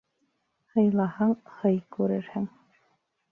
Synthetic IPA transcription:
hɤ̆jlˠɑhɑɴχɤjkʉɾɘɾhɘŋ

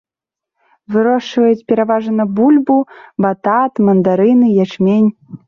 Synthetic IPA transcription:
vɨɾɔʂvɐjut͡sʲpʲeɾɐvɑʐənɐbulʲbubɑt̪ɑt̪mɐnd̪aɾɨnɨjæt͡ɕmʲenʲ

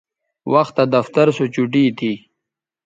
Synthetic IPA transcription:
wʔɐxt̪ːad̪ɐft̪aɾsot͡ɕuʈ̬it̪ʰi

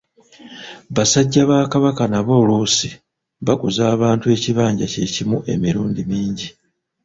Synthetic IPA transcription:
βasaɟːaβaːkaβakanaβo̞luːsi | βaɡuzaːβaːntue̞ːciβaːɲɟace̞cimuʔe̞̰miɾuːndimiːɲɟi

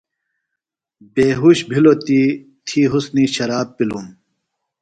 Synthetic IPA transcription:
beːɦuɕbʱilot̪i | t̪ʰiːɦusniɕɐɾaːpːilum

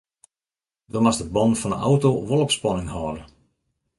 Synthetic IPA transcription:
domasdəbɔnfɔnə̰a̰wtoʋolˠopspɔnɪŋhɔːdə

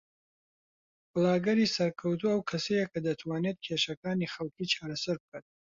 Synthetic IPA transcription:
b̥ɨlaːɡɐɾiːsɐɾkʰɐwt̪ʰuːɐwkʰɐsejekʰɐd̪ɐt̪ʰwaːneːt̪̚kʰeːʃɐkaːniːxɐlˠkʰiːt͡ʃʰaːɾɐsɐɾb̚kʰat̪̚

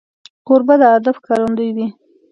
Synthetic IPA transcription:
qʊɾbad̪əad̪afkɑɾand̪əjd̪i

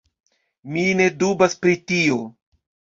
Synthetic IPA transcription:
mine̞dubaspɾitio̞

